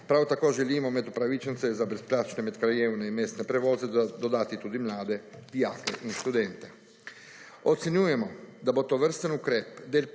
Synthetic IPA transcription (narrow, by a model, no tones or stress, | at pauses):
pɾawt̪akoːʒɛliːmɔmɛd̪upɾaʋit͡ʃənt̪sɛzabɾɛsplaːt͡ʃnɛmɛt̪kɾajeːwnɛinmeːst̪nɛpɾɛʋoːzɛd̪od̪aːt̪it̪uːd̪imlaːd̪ɛd̪ijaːkeʔinʃt̪ud̪ɛnt̪ɛ | ot̪senjuːjɛmɔd̪abot̪oʋəɾst̪ənukɾeːpd̪eːl